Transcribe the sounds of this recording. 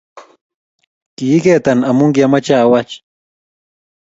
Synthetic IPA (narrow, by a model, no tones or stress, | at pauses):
kijikeːt̪anamʊŋɡjamat͡ʃaːwat͡ʃ